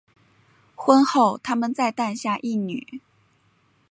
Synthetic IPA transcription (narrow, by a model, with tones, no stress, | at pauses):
xwə˥nxo˥˩ʊt̪ʰa˥mə˨nt͡sa˥˧ɪt̪a˥˧nɕja˥˧ʔi˥˩ny̰˨˩˦